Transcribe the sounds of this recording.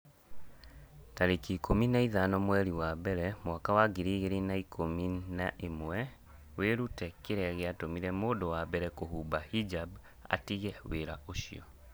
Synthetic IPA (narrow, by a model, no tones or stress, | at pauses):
taɾekiːkominaiðanɔmwɛɾiwabɛɾɛmwakawaɡiɾiɣeɾinaikʰominaʔemwɛ | weɾutɛkeɾɛaɣeatomiɾɛmoːdɔwabɛɾɛkohuːbahid͡ʒab | a̰tiɣɛweɾaoʃiɔ